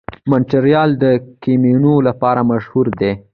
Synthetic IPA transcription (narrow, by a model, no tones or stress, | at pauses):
manʈaɾjɑld̪əkeminolapɑɾamaʃhuɾd̪e